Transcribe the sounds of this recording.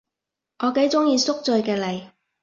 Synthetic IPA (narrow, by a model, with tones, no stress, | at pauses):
ʔɔː˨˧ke˨˥jt͡sʊ˥ŋjiː˧sʊ˥k̚t͡sɵ˧ɥkɛː˧lɐ˨j